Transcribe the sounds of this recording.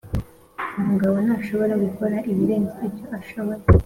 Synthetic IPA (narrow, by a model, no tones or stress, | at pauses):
umuɡaβo̞naːʃo̞βo̞ɾaɡukʰo̞ɾaʔiβiɾe̞ːnizibjo̞ʔaʃo̞βo̞ɾe